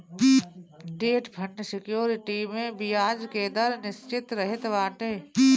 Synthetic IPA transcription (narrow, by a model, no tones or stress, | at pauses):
ɖeːʈpʰɐʈnəsɪkjoːɾɪʈimẽbijaːd͡ʒkeːd̪əɾnɪst͡ʃɪt̪ɾɐɦɪt̪ʋaːʈeː